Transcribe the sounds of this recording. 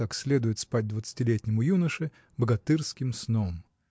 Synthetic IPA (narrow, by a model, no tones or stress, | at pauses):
aksʲlʲe̞d̪ʊjɪt̪spat̚ʲd̪vət̪sɨ̥tʲɪlʲetʲnʲɪmʊjunəʂɨ | bəɡɐt̪ɨrskʲɪmsnom